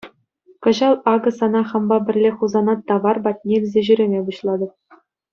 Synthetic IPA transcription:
kɤ̆ʑɑlˠɑɡɤ̆sɑnɑχɑ̆mbɑbʲɘ̆rʲlʲeχuzɑnɑt̪ːɑʋɑrbɑtʲnʲelʲzʲeʑyɾʲĕmʲebuɕlˠɑd̪ɤ̆p̚

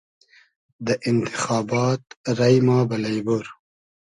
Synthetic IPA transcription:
d̪əʔɪnt̪ɪ̥xɑːbɑːt̪ɾɐjmɑːbɐlɐjbuɾ

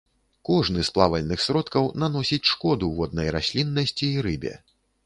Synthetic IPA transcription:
kɔʐnɨsplˠavɐlʲnɨxsɾɔt̪kɐwnanɔsʲit͡sʲʂkɔd̪uvɔd̪̚nɐjrasʲlʲinːɐsʲt͡sʲiːɾɨbʲɛ̰

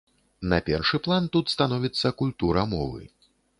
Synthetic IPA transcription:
nɐpʲɛrʂɨplˠant̪ut̪st̪anɔvʲit̪sːɐkulʲt̪uɾɐmɔvɨ̰

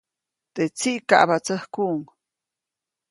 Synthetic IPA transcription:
t̪et͡siʔka̰ʔbat͡səhkuʔŋ

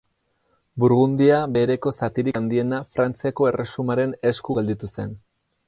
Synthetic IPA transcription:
buɾɣund̪iabe̞ɾe̞ko̞sat̪iɾiand̪ie̞nafɾant͡siako̞e̞re̞sumaɾe̞ne̞skuɣe̞ld̪it̪use̞n

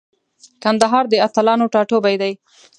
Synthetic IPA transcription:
kand̪aɦɑɾd̪əat̪alɑnoʈɑʈobajd̪aj

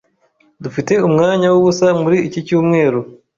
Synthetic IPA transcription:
dufite̞umŋaːɲawuβusamuɾiːcicuːmŋe̞ːɾu

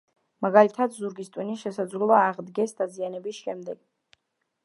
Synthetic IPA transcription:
maɡalit̪ʰad̪zuɾɡist̪ʼwiniʃɛsad̪zʁulˠaːʁd̪ɡɛsd̪azianɛbisʃɛmd̪ɛɡ̥

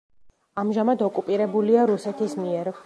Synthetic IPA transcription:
amʒamad̪ɔkʼupʼiɾɛbuliaɾusɛt̪ʰismiɛɾ

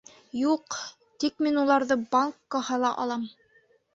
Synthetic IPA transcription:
juq | t̪ik̚minulˠɑɾðɤbaŋkːɑhɤlˠɑʔɑ̰lˠɑm

